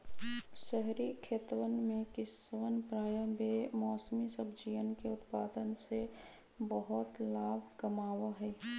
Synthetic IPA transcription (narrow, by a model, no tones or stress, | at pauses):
ʃəɦɾikʰeːt̪wənmẽkɪswənpɾaːjəmbemɔːsmisəbd͡ʒiʋənkeʊt̪paːd̪ənse | bəɦʊt̪laːbʱkəmaːwaɦɛː